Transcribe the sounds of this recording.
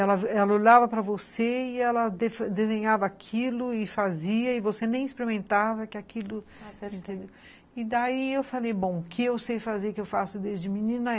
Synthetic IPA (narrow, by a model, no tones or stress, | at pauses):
ɛlɐɛlɐoʎavɐpɾɐvoseɪɛlɐd̪efd̪ezẽɲavɐakʰilʊɪfaziɐɪvosenẽj̃ispɾemẽnt̪avɐkɪakʰilʊẽnt̪ẽnd̪ew | ɪd̪aiewfalejbõw̃kɪewsejfazeɾkɪewfasʊd̪ezd͡ʒɪminĩnɐ